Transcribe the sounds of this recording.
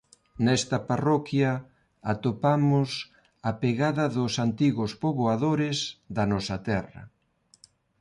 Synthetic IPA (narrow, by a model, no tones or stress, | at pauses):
nɛst̪ɐparɔkjɐ | at̪opamʊs | apeɣaðɐðʊsant̪iɣʊspoβoaðoɾɪzðɐnɔsɐt̪ɛrɐ̰